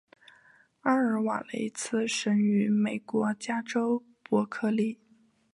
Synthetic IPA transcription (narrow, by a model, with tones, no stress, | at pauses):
a˥ə˧˥wa̰˨˩lḛ˧˥ɪt͡sʰɹ̩˥˩ʂə˧˥ŋy˧˥me˨˩ɪkwɔ˧˥t͡ɕja˥ʈ͡ʂo˥ʊ | pwɔ˧˥kʰɤ˥li˥˩